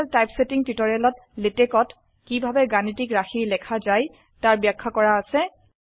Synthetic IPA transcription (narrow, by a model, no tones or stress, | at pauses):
ltajpsetiŋtitɔɹialɔt | letɛkɔt | kibʱabɛɡanitikɹaxiɹlɛkʰazaj | taɹbjakʰːakɔɹaːsɛ